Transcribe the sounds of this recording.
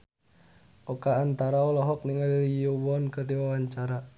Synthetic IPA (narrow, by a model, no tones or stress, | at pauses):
ʔɔkaːnt̪aɾaɔlɔɦɔk̚niŋallijowɔnkərdiwawaɲt͡ʃaɾa